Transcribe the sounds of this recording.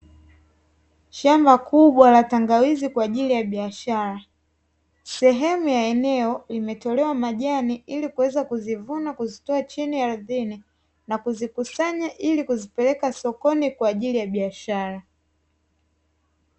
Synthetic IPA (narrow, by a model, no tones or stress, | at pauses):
ʃambakuɓwalataŋɡawizikwaːʄilijaɓiaʃaɾa | sɛɦɛmujaɛnɛɔimɛtɔlɛwamaʄaniʔilikuwɛzakuzivunakuzitɔat͡ʃiniaɾuðini | nakuzikusaɲaʔilikuzipɛlɛkasɔkɔnikwaːʄilijaɓiaʃaɾa